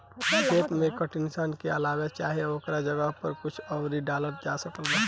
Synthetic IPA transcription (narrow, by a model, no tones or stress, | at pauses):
teːt̪mẽkəʈinsankeɐlaːwat͡ʃaːɦeoːkɾad͡ʒəɡəɦpəɾkʊt͡ʃʰɔwɾiɖaːləɾd͡ʒasəkəlba